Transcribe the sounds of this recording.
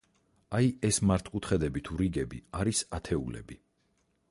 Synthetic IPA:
ajɛsmaɾt̪ʰʼqkʼut̪ʰχɛd̪ɛbit̪ʰuɾiɡɛbḭaɾisat̪ʰɛṵlɛ̰bi

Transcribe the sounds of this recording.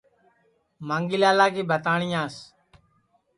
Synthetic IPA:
maːŋɡɪlaːlaːkiːbʱət̪aːɳɪjaːs

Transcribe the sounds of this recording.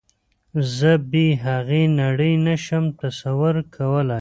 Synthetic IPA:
zəbiɦaɣenaɽəjnaʃəmt̪asawʊɾkʰawəlaj

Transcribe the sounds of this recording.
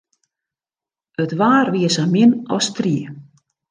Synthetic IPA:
œt̪vaːɾviːsamɪna̰wst̪ɾiː

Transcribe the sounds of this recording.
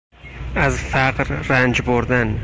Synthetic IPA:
azfaqɾɾand͡ʒboɾd̪an

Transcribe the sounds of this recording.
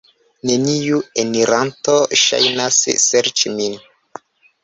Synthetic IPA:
ne̞niueniɾantoʃa̰jnasseɾt͡ʃimin

